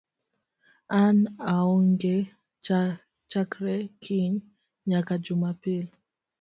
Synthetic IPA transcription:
anaɔŋɡɛ | t͡ʃakɾɛkʰiŋ | ɲakad͡ʒumapili

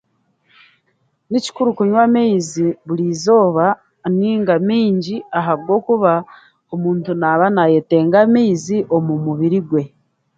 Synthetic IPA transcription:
nici̥kuɾukuɲwameziβuɾiːzo̞ːβa | niːŋɡamiːɲɟiaɦaβɡo̞ːkuβa | omuːntunaβanaje̞te̞ːŋɡamiːziʔo̞mumuβiɾiɡwe̞

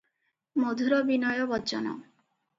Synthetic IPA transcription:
mod̪ʱuɾɔbinɔjɔbɔt͡ʃɔnɔ̰

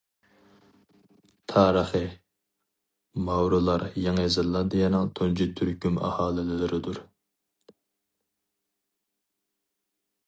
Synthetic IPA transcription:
t̪ʰɑːɾəχɨ | mɑwɾɨlˠɑɾjɑŋzɨlˠːɑd̪ejɛnɨŋt̪ʰont͡ʃʰit̪ʰyɾkʲymɑ̰hɑːlˠɪlɪlɪɾɪd̪uɾ

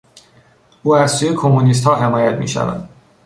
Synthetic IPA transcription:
uːæzsuːje̞kʰomːunis̬t̪hɒːɦe̞mɒːjæt̪mḭːʃæ̰væ̰nd̪̥

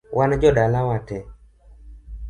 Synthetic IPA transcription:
wʔand͡ʒɔdalawatɛ

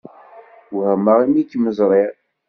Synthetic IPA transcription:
whəmːəʁimikːməzˤɾˤiʁ

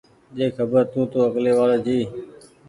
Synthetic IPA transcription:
ʄeːkʰəbəɾt̪ũːt̪oːəkleːʋaːɾaːd͡ʒiː

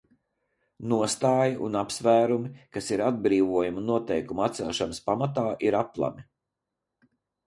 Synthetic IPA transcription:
nuɔst̪aːjiʔṵnapsvæːɾumikasiɾad̪̚bɾiːvuɔjuminuɔt̪ɛjkumuat̪sɛlˠʃanɐspamat̪aːʔiɾaplˠa̰mi

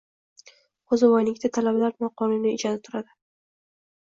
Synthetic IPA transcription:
ozɪvɒjnɪk̚ʲt̪at̪ʰalabalaɾnɒqʰɒnɪnɪɪd͡ʒanɪt̪ʰʊɾad̪ɪ

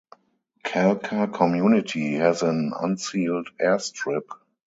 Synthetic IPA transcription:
kʰɛlkʰakʰɔmjunɪtʰihɛzə̃nã̰nsiːldɛstɹɪp

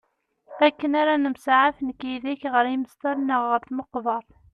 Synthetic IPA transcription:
ækːənaɾanəmsʕafənkiðiçʁəɾiməst̪əɾnəʁːəɾθməqːðˤɑɾˤ

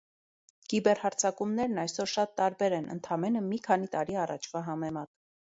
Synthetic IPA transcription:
kibɛrhɑɾt͡sʰɑkumnɛɾnɑjsɔɾʃɑt̪ːɑɾbɛɾɛnʔə̰nt̪ʰɑmɛnəmikʰɑnit̪ɑɾiɑrɑ̰t͡ʃʰv̥ɑɦɑmɛmɑt̪

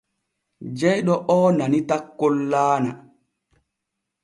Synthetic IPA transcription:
d͡ʒɛjɗɔʔɔːnanitakːolːaːna̰

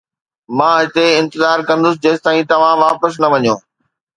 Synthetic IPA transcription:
mãːɪt̪eɪ̃nt̪ɪzaːɾkɐ̃nd̪ʊs̬ɪd͡ʑeːsɪ̥t̪aːĩt̪ɐʋ̤ãʋaːpəs̬nɐʋɐɲjõː

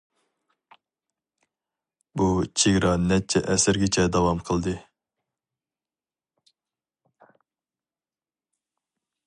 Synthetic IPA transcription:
but͡ʃʰeɡʲɾɑnɛt͡ʃʰɛʔɛsɪɾɡʲɪt͡ʃʰɛd̪ɑwɑmqʰəlˠd̪ɨ

